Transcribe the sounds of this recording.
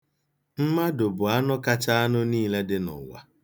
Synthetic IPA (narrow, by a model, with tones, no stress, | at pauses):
m̩˦ma˦dʊ˨bʊ˨a˦nɔ˦ka˦t͡ʃa˦a˦nʊ˦niː˦le˦dɪ˦nɔ̰˨ŋʷa̰˨